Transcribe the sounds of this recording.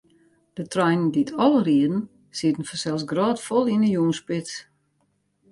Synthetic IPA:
d̥ətrɔjnən̩ditʰɔlˠəriədn̩ | sitən̩fɔsɛlˠsɡrɔːtfɔlˠinəjuːnspɪt

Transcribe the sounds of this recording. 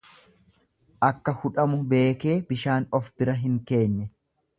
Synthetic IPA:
ʔɐkːɐhʊᶑɐmʊbe̞ːke̞ːbɪʃaːnɔfbɪɾɐɦɪŋke̞ːnːɛ

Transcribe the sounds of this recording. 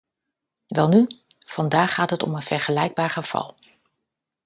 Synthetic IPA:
ʋɛlˠny | v̥ɑndaːχaːtɦətɔ̰mənv̥ɛɹχəlɛjɡ̚baːɹχəv̥ɑ̰lˠ

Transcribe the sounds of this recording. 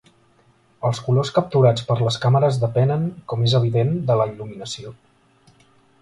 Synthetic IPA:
əlˠskuloskəp̚t̪uɾat͡spəɾləskaməɾəzðəpɛnəŋkɔmezəβ̞iðend̪ələiluminəsio

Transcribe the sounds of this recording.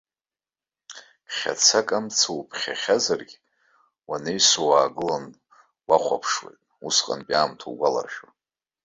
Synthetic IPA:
χʲa̰t͡sʰakʼamt͡sʰawpʰχʲa̰χʲazarɡʲ | wanejsowaːɡɨlan | waχʷapʰʂwḛjtʼusqʼa̰npʼaːmtʰoɡʷala̰rʃᶣa

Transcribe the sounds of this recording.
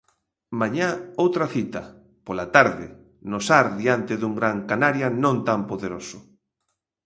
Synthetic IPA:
maɲaowt̪ɾaθit̪ɐ | polat̪aɾðɪ̰ | nosaɾðiant̪ɪðuŋɡɾaŋkanaɾjanõnt̪ampoðeɾosʊ̥

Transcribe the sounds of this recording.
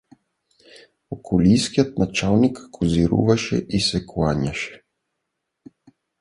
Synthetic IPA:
ɔkʰɔlʲijskijat̪nat͡ʃalˠnikːʰoziɾṵvaʃɛ̰ʔisɛkwaɲʲaʃɛ̥

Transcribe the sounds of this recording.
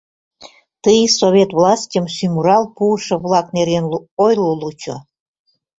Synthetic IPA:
t̪əjsoβʲet̪βlɑsʲtʲəmsymuɾɑlˠpuəʃɤ̆βlˠɑkneɾenojlolut͡ɕo̰

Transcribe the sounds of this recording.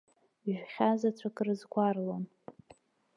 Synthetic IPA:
ʒᶣχʲazat͡sʷʰakʼrɨzɡʷarlon

